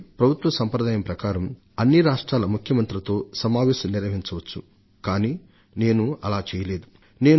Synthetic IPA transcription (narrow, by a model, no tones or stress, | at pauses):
pɾɐbʱut̪ʋɐsɐmpɾɐd̪aːjɐmpɾɐkaːɾɐm | ɐnːiɾaːʂʈɾaːlɐmukʰjɐmɐnt̪ɾɐt̪o̞ːsɐmaːʋeːʃɐmniɾʋɐɦiɲt͡ʃɐʋɐt͡ʃːu | kaːni | ne̞ːnuɐlaːt͡ʃɛːjɐle̞ːd̪u | ne̞ː